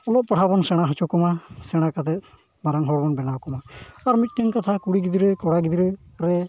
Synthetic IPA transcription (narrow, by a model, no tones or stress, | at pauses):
ɔlɔʔpaɽʰabɔnsɛɽ̃aɦɔt͡ʃɔkɔmasɛɽ̃akat̪ɛt̪̚ | maɾaŋɦɔɽbɔnbɛnawkɔmaːɾmit̪̚ˀniŋkat̪ʰakuɽiɡid̪iɾəkɔɽaɡid̪iɾə | ɾɛ